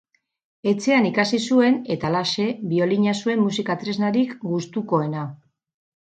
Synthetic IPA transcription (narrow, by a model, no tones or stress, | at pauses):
e̞t͡se̞anikasisue̞ne̞t̪alase̞bio̞liɲasue̞mːusikat̪ɾe̞znaɾikɡust̪uko̞e̞na